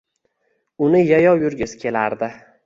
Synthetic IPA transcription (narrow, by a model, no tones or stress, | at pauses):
ʊnɪjajɒwjʊɾɡʲɪzkʲʰe̞laɾd̪ɪ